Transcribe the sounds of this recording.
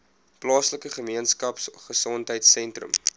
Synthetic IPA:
plɑːsləkəχəmiənskɐpsχəsɔntɦəjtsɛntrə̰m

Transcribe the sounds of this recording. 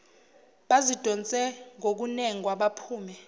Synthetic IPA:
ɓazid̥ʱɔnt͡sʼɛŋok̬unɛŋwaɓapʰuːmɛ

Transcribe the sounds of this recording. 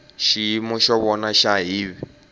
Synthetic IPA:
ʃimɔʃɔβɔnaʃaɦiːβi

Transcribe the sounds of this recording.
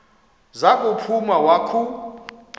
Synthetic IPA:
zakʼupʰumawakʰu

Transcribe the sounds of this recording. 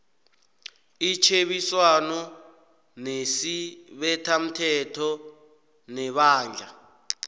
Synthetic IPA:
it͡ʃʰeɓiswanɔ | nesiɓɛtʰam̩tʰɛtʰɔ | nɛɓaːnd͡ɮʱa

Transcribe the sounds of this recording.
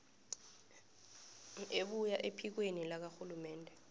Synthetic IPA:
eɓujaʔepʰik̬wenilak̬axulumɛːndʱɛ

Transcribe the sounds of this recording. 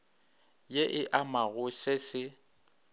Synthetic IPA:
jeʔɪʔamaɣʊsesɪ

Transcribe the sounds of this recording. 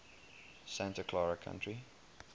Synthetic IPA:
sæ̃ntəkʰlɔɹəkʰã̰ntɹi

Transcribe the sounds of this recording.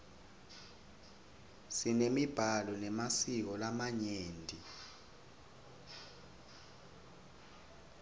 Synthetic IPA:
sinemib̥ʱalɔnɛmasik̬ɔlamaɲeːndʼʱi

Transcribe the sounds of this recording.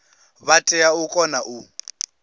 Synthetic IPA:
βatʼɛjaukʼɔnaʔu

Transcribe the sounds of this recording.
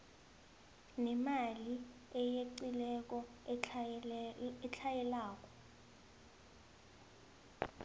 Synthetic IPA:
nɛmali | ɛjeǀilɛk̬ʼɔ | ɛt͡ɬʰajɛlaːk̬ʼɔ̥

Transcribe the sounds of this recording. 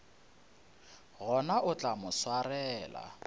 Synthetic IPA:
ɣɔnaʔʊt͡ɬʼamʊswarɛːla̰

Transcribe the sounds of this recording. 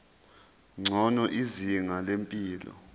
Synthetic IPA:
ŋ͡ǀʱɔnɔʔiziŋalempʼiːlɔ̰

